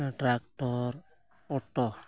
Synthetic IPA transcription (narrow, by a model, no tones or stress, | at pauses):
ʈɾakʈɔɾ | ɔʈɔ